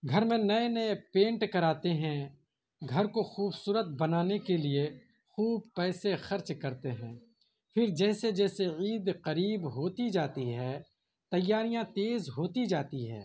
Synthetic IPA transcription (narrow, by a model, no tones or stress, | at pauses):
ɡʱɐɾmẽnɐenɐepẽːɳʈkɐɾaːt̪eɦɛ̃ | ɡʱɐɾkoxuːbsuːɾət̪̚bɐnaːnekelie | xuːb̚pɛːsexɐɾt͡ʃkɐɾt̪eɦɛ̃ː | pʰɪɾd͡ʒɛːsed͡ʒɛːseiːd̪qɐɾiːbɦoːt̪id͡ʒaːt̪iɦɛː | t̪ɐjːaːɾijãt̪eːzɦoːt̪id͡ʒaːt̪iɦɛ̰̃ː